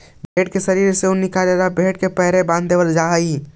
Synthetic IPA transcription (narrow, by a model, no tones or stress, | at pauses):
bʱeʈ̚kesəɾiɾseũnikaleɾabʱeʈ̚kepəɦɾebãnd̪d̪ebəld͡ʒaɦəj